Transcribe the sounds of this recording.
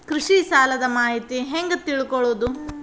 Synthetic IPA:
kɾiʂisaːlɐd̪ɐmaːɦit̪iɦeŋɡɐt̪ːiɭukɔɭoːd̪u

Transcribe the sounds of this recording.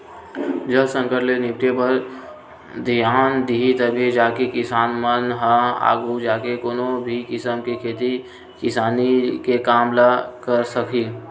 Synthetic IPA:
d͡ʒəlsə̃ŋkəʈlenɪp̚ʈ̪epəɾ | d̪ijaːnd̪iɦit̪ɐbʱed͡ʒaːkekɪsaːnmənɦãa̰ːɡud͡ʒaːkekoːnõbʱikɪsəmkekʰeːt̪i | kɪsaːnikekaːmlakəɾsəkʰiː

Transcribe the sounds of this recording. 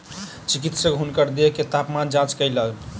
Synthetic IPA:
t͡ʃikit̪səkɦunkəɾd̪eeket̪apmand͡ʒãt͡ʃkəjləɡ

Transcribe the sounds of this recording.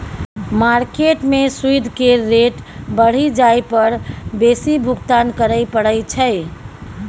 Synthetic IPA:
maɾkeʈmesuid̪ʱkeɾeʈbəɽ̤id͡ʒajpəɾbesibʱukt̪ankəɾəɪpəɽəjt͡ʃʰəɪ

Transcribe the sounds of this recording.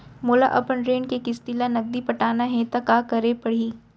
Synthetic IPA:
moːla̰ʔɐpənɾeːnkekɪst̪ilanɐɡ̚d̪ipɐʈaːnaɦɛ̃t̪akaːkɐɾepɐɽ̤iː

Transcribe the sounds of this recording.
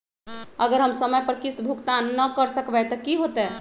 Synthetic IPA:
əɡəɾɦəmsəməjpəɾkist̪bʱukt̪anːəkəɾsəkbɛt̪ɔkiɦot̪ɛ

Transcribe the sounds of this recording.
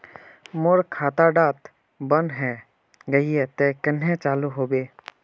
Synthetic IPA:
moɾkʰaːt̪aɖaːt̪ | bənɦɛ | ɡəiɛt̪ekənɦẽt͡ʃaːluɦoːbeː

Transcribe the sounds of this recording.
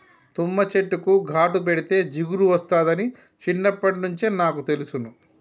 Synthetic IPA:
t̪umːɐt͡ʃeʈːukuɡʱaːʈup̬eɽit̪e̞ːd͡ʒiɡuɾuʋɐst̪aːd̪ɐni | t͡ʃinːɐpːɐʈinuɲt͡ʃinaːkut̪e̞lusunu

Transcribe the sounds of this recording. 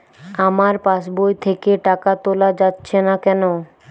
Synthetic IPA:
amaɾpaʃbojt̪ʰekeʈakat̪olad͡ʑatːɕʰenakɛno

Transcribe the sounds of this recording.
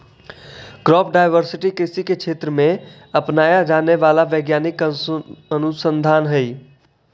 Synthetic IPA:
kɾɔp̚ʰɖajʋəɾsiʈikisikekt͡ʃʰet̪ɾəme | əpnajad͡ʒaneʋalaʋəɡjanik | ənusənd̪ʱanɦəj

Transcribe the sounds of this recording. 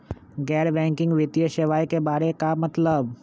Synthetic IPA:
ɡɛːɾbɛ̃ːŋkɪ̃ŋɡʋɪt̪ijəʃeʋaːjkebaːɾekamɐt̪ləb

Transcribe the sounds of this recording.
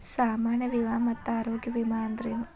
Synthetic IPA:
saːmaːɾɳjɐʋiʋaːmɐt̪ːaːɾoːɡjɐʋimaːnd̪ɾiːm

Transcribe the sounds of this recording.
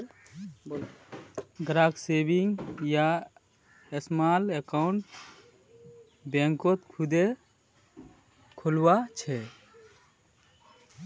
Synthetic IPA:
ɡɾaɡsebiŋɡja | esmalekaɳʈ | bẽŋkot̪kʰud̪e | kʰolwat͡ʃʰɛ

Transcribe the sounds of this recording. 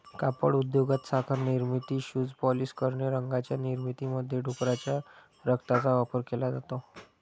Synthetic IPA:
kapəɽud̪joɡat̪sakʰəɾniɾmit̪iːɕuːd͡zpɔliskəɾɳeɾəŋɡat͡ɕjaniɾmit̪iməd̪ʱːjeɖʱukɾat͡ɕja | ɾəkt̪at͡saʋapəɾkelad͡zat̪o

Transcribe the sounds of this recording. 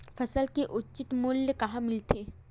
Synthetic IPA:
fɐsəlkeʔʊtːt͡ʃɪt̪mʊljəkɐɦãmɪlt̪ʰeː

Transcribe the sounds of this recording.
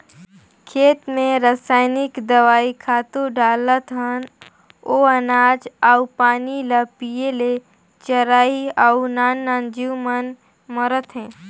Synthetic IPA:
kʰeːt̪mẽɾəsaːɪnɪkd̪əʋaːikʰaːt̪oɖaːlət̪ɦən | oənaːd͡ʒaupaːniləpijele | t͡ʃəɾaːiaunaːnːaːnd͡ʒiwmən | məɾət̪ɦɛ̃ː

